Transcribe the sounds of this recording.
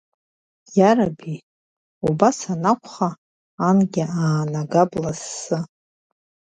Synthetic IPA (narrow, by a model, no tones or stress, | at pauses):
jaɾabi | ubasanakʷʰʼχaː | nɡʲɪaːnaɡablasːɨ